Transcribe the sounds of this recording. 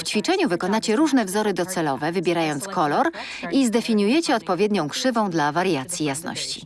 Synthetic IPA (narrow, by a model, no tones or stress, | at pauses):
ft͡ɕfʲit͡ʂɛɲuvɘkɔnat͡ɕɛɾuʐnɛvzɔɾɘd̪ɔt̪sɛlɔvɛvɘbʲjɛɾajɔnt̪skɔlɔɾ | izd̪ɛfʲiɲujɛt͡ɕɛɔt̪̚pɔvʲjɛd̪ɲɔ̃w̃kʂɘvɔ̃w̃d̪lavaɾjat̪sʲjijasnɔ̰ɕt͡ɕḭ